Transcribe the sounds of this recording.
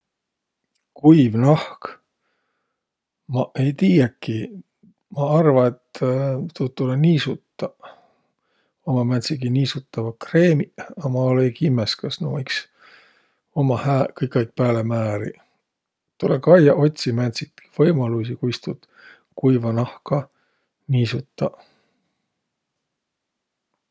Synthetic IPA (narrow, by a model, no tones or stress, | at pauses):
kujvnɑhk | mɑʔe̞jt̪iːjɑkːi | mɑɑrvɑet̪t̪ut̪t̪ːuleniːsut̪ːɑ | omɑmæt̪sikiniːsut̪ːɑvɑkre̞ːmiɑmɑolejkimːeskɑsno̰ːiks | o̞mɑhæːkɤjkːɑjk̚pæːlemæːɾḭ | t̪ulekɑjɑʔo̞t̪ʲsimæt̪siki̥v̥ɤjmɑlus̬ikujst̪ud̪̥ | kujvɑnɑhkɑ | niːsut̪ːɑ